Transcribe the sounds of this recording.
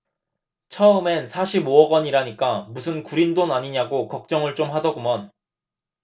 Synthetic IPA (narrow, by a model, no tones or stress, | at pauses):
t͡ɕʰʌɯme̞nsʰaɕʰiboʌɡʌɲiɾaɲik͈amusʰɯnkuɾindonaɲiɲaɡokʌk̚t͡ɕ͈ʌŋɯɭt͡ɕ͈omɦadʌɡumʌn